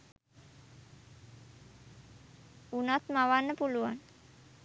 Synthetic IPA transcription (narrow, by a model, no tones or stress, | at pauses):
unat̪maʋanːəpuluʋa̰n